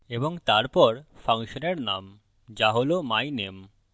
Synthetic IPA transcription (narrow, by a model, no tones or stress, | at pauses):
eboŋt̪aɾpɔɾfʰaŋʃoneɾnam | d͡ʑaɦolomajnem